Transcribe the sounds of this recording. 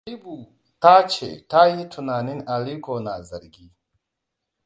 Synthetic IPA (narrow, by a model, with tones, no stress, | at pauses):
i˦bu˨ | ta˦t͡ʃɛ̰˨ta˦ji˦tʰu˨na˨ni˦na˨li˦kɔ˨na˨za˨ɾɡi˦